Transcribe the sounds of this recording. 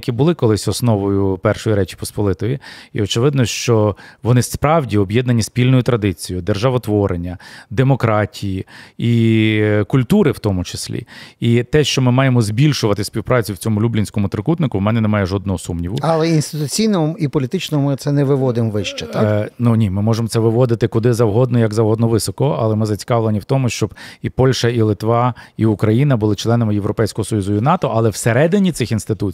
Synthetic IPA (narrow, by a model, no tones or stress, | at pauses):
kʲibʊlˠɪkɔlˠɪsʲɔsnɔʋɔjʊpɛrʃɔjiɾɛt͡ʃi̥pɔspɔlˠɪt̪ɔjʲiḭɔt͡ʃeʋɪd̪nɔʃt͡ʃɔʋɔnɪspɾɑwdʲiɔbjɛd̪nɐnʲisʲpʲilʲnɔjʊt̪ɾɐd̪ɪt͡sʲijʊd̪erʒɑʋɔt̪ʋɔɾʔenʲːɐd̪emɔkɾɑtʲʰijii | kʊlʲt̪uɾɪwt̪ɔmʊt͡ʃe̥sʲlʲḭit̪ɛʃt͡ʃɔmɪmɑjemɔzbʲilʲʃʊʋɐt̪ɪsʲpʲiwpɾɑt͡sʲiwt͡sʲɔmʊlʲublʲinʲsʲkɔmʊt̪ɾɪkut̪nɪkʊwmɛnɛnemɑjɛʒɔd̪nɔɦɔsumnʲiʋʊɐlˠɛinst̪ɪt̪ʊt͡sʲijnɔɔmipɔlʲit̪ɪt͡ʃnɔɔmɪt̪sɛnɛʋɪʋɔd̪ɪmʋɪʃt͡ʃɛanunʲimɪmɔʒemɔt̪ɛʋɪʋɔd̪ɪt̪ɪkʊd̪ɪzɐwɦɔd̪nɔjɐɡzɐwɦɔd̪nɔʋɪsɔkɔɐ̰lˠɛmɪzɐt͡sʲi̥kɑʋlˠenʲiwt̪ɔmʊʃt͡ʃɔb̥ipɔlʲʃɐilˠɪt̪ʋɑiʊkɾɐjin̪ɐbʊlˠɪt͡ʃlˠɛnɐmɪjeʋɾɔpɛjsʲkɔɦɔsɔjuzʊinɑt̪ɔʔɐlˠɛwseɾɛd̪ɪnʲit̪sɪxinst̪ɪt̪ut͡sʲ